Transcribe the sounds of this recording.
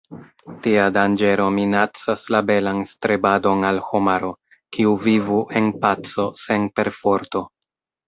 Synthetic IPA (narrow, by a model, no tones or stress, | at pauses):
tiadand͡ʒe̞ɾo̞minat͡saslabe̞lanstɾebado̞nalhomaɾo̞ | kʰiuvivuʔe̞npat͡so̞se̞npe̞ɾfo̞ɾto̞